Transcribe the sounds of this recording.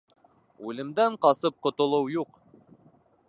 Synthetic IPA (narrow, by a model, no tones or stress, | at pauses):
ʉlɘ̆md̪æɴqɑsɤp̚qŏt̪ŏlˠɤwjuq